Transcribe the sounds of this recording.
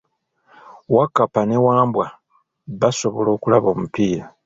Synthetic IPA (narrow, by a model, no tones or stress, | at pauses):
wakːapane̞waːmbwa | βaso̞βo̞lo̞ːkulaβo̞ːmupiːɾa